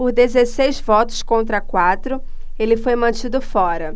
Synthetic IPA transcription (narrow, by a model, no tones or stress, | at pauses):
pʊɾd̪ezesejzvɔt̪ʊ̥skõnt̪ɾɐkwat̪ɾʊ | elɪfojmɐ̃t͡ʃid̪ʊfɔɾɐ